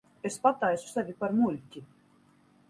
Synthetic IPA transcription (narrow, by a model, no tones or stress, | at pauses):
espat̪ajsu̥sævʲipaɾmulʲtʲi